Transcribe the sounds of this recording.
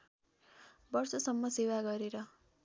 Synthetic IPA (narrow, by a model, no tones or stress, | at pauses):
bʌrsʌsʌmːʌsewaɡʌɾeɾʌ